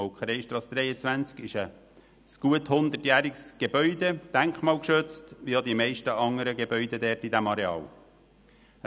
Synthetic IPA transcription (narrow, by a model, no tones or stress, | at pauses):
oʊkχəɾɛɪʃt̪ɾɑsd̪ɾɛɪət͡sʋænt͡skɪʃə | sɡ̥uəthʊnd̪ətjæːɾɪksɡ̥ebœʏd̪ed̥æŋkχmɑːlkʃøt͡stʋijɑd̪imɛɪʃtəʔɑŋəɾəɡebœʏd̪ed̪ɛːtid̪æmɑɾeɑ̰ːl